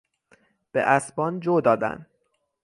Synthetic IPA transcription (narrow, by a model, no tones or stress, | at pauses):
b̥ḛʔæsbɒːnd͡ʒoːd̪ɒːd̪æ̰n